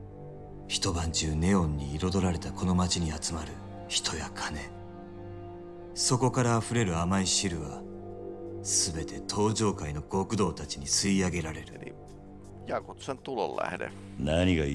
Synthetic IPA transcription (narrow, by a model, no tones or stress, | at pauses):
çi̥t̪o̞bãɲ̟d͡ʑɨːne̞õ̞ɲ̟ːiːɾo̞d̪o̞ɾaɾe̞t̪ako̞no̞mat͡ɕiɲ̟iat͡sɨmaɾɯ̟ | çi̥t̪ʰo̞jakʰane̞ | so̞ko̞kaɾaːɸɯ̟ɾe̞ɾɯ̟amaiɕiɾɯ̟βa | sɨbe̞t̪e̞t̪ʰo̞ːʑo̞ːkaino̞ɡo̞kɯ̟d̪o̞ːt̪at͡ɕiɲ̟isɨiaɡe̞ɾaɾe̞ɾɯ̰ | jakot̪sant̪ololːa̰hḛɾḛ | naɲiɡa